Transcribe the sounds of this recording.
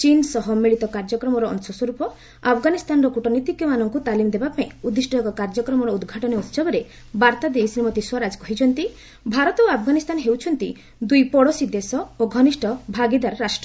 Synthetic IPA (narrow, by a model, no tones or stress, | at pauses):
t͡ʃinsɔɦɔmiɭit̪ɔkaɾd͡ʒɔkɾɔmɔɾɔɔ̰nsɔsɔɾupɔ | apʰɡanist̪ʰanɾɔkuʈɔnit̪ikjɔmanɔŋkut̪alimɔd̪ebapaĩud̪ːiʃʈɔɔkɔkaɾd͡ʒɔkɾɔmɔɾɔud̪ɡʱaʈɔneut̪sɔbɔɾe | baɾt̪ad̪esɾimɔt̪iswaɾad͡ʒkɔɦit͡ʃʰɔnt̪i | bʱaɾɔt̪ɔoapʰɡanist̪ʰanɦewt͡ʃʰɔnt̪ḭ | d̪ujpɔɽɔsid̪esɔoɡʱɔniʃʈʰɔbʱaɡid̪aɾɾaʃʈɾɔ